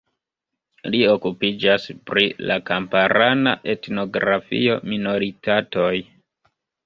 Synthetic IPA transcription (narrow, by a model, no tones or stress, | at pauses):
lio̞kupid͡ʒaspɾila̰kampaɾanaʔe̞tno̞ɡɾafḭo̞mino̞ɾitato̞j